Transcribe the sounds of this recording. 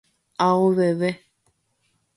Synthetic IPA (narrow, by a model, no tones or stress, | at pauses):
aɣoβɛβɛ